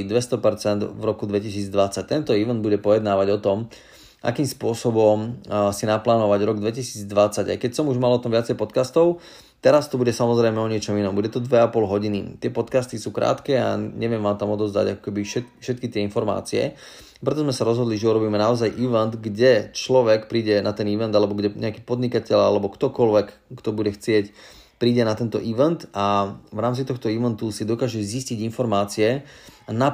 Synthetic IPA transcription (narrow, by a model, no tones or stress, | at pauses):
d̪ʋɛst̪ɔpɛɾt͡sɛnd̪vɾɔkud̪ʋɛcisiːd͡zd̪ʋat͡sac̚t̪ɛnt̪ɔiʋɛnd̪buɟɛpɔjɛd̪naːʋaɟɔt̪ɔm | ʔa̰kiːmspʊɔsɔbɔmsinaplaːnɔʋaɟɾɔɡd̪ʋɛcisiːd͡zd̪ʋat͡saɟa̰jkɛcsɔmuʒmalɔt̪ɔmʋɪat͡sɛjpɔt̪kast̪ɔʊ | t̪ɛɾast̪ɔbuɟɛsamɔzɾɛjmɛɔɲɪɛt͡ʃɔminɔmbuɟɛt̪ɔd̪ʋɛapɔlɦɔɟinit̪ɪɛpɔt̪kast̪isuːkɾa̰ːt̪kɛa̰ɲɛʋɪɛmʋaːmt̪amɔd̪ɔzd̪a̰ɟakɔ̥kɛbiʃɛt̪fʃɛt̪̚kit̪ɪɛinfɔɾma̰ːt͡siɛ̰ | pɾɛt̪̬ɔzmɛsaɾɔzɦɔd̪liʒɛuɾɔbiːmɛnaɔzajʔiʋɛnd̪ɡɟɛt͡ʃlɔʋɛkpɾiːɟɛnat̪ɛniʋɛnd̪alɛbɔɡɟɛɲʔɛakiːpɔd̪ɲikacɛʎalɛbɔkt̪ɔkɔlʋɛkkt̪ɔbuɟɛxt͡sɪɛc | pɾiːɟɛnat̪ɛnt̪ɔʔiʋɛnt̪avɾaːmt͡sit̪ɔxt̪ɔiʋɛnt̪usid̪ɔkaːʒɛzisciɟinfɔɾmaːt͡siɛna